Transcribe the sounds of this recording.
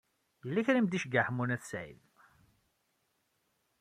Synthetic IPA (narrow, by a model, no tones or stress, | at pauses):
jəlːæçɾimd̪iʃɡəħmunæθsʕḭð